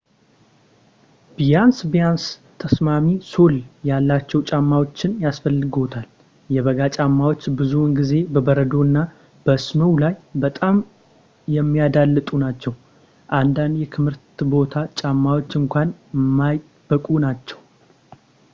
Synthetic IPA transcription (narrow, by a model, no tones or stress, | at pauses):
bjansbijanst̪ʰəsmamiso̞ljalːat͡ʃːɛwt͡ʃʼamːawo̞t͡ʃːɪnjasfəlːɨɡo̞t̪ʰal | jɛβəɡat͡ʃʼamːawo̞t͡ʃːbɨzunɡize̞bəbəɾəd̪o̞ɨnːa | b̥əsməwlajbət̪ʼam | jɛmːijad̪alːɨt̪ʼunat͡ʃːɛw | ʔand̪and̪jɛk̪ʰɨmhɨɾt̪bo̞t̪ʰat͡ʃʼamːawo̞t͡ʃːɨŋkʷanmːaj | b̥əkʼunat͡ʃːɛw